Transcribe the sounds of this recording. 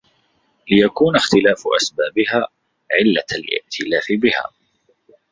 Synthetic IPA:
lɪjakuːnaxt̪ɪlaːfʔa̰sbaːbɪhaː | ʕɪlːalʔɪ̰ʔt̪ʰɪlaːfɪbɪha̰ː

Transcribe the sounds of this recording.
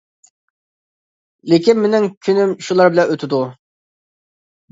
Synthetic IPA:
lɪkʲinmenɪŋkʲʰynymʃulˠɑɾbɪlɛnøt̪ʰɪd̪u

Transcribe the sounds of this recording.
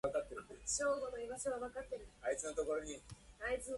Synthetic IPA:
akat̪ːeɾɯeɕo̞ːɡo̞noiɡaɕiβaβakat̪ːe̞ɾɯ̟ait͡sɨno̞t̪o̞ko̞ɾo̞ɲ̟iait͡sɨ

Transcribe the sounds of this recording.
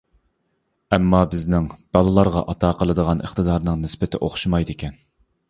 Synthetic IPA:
ɛmːɑbɪznɪŋb̥ɑlˠɨlˠɑɾʁɑ̰ʔɑt̪ʰɑqʰəlˠɨd̪əʁɑnʔə̰χt̪əd̪ɑɾnɨŋnɪspɪt̪ʰɪ̰ʔoχʃumɑjd̪ɪkʲɛn

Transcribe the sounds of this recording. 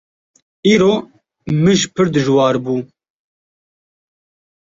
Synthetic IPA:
iːɾoː | mɨʒpʰɨɾd̪ɨʒwɑːɾbuː

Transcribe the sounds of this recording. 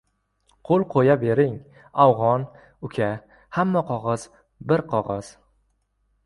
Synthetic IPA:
qʰolˠqʰojabe̞ɾɪŋ | awʁɒn | ʊkʲʰa | hamːaqʰɒʁɑz̥ | bɪɾqʰɒʁɑz̥

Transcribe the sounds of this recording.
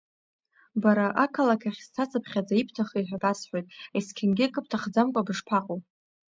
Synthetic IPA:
baɾaʔakʰalakʲʰaχʲstʰat͡sʰʼɨpʰχʲad͡zaipʰtʰaχiħʷᶣaɡasħʷᶣojtʼeskʲʰɪnɡʲɪkʼɨp̚ʰtʰaχd͡zamkʷʼabɨʂpʰaqʼo

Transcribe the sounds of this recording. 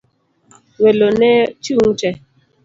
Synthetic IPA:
welonɛt͡ʃuŋt͡ʃɛ

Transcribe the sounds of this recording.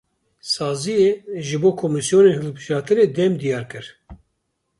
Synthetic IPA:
sɑːzijeːʒɨboːkʰomisjoːneːnhɨlbɨʒɑːt̪ʰɨɾeːd̪ɛmd̪ijɑːɾkɨɾ

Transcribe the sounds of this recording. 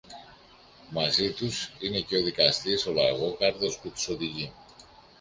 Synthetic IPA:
mɐzit̪usine̞ceoðikɐst̪iso̞lɐ̰ɣo̞kaɾðo̞sput̪u̥so̞ðiʝi

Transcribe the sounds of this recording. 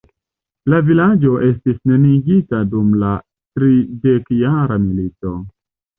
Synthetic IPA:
lavilad͡ʒo̞ʔe̞stisne̞niɡitadumla | tɾide̞kjaɾamilito̞

